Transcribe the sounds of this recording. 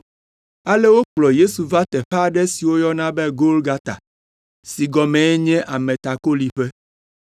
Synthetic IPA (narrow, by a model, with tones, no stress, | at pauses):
a˦le˦wo˦k͡plɔ˨je˦su˨va˦t̪ɛ˨ɸa˦˨ɖɛ˦si˨wo˦jɔ˦nã˦be˦ɡo˦lɡa˦t̪a̰˨ | si˨ɡɔ˨mɛ̃˨ɛ˦ɲɛ̃˦ʔa˨mẽ˨t̪a˨ko˦li˨ɸɛ˦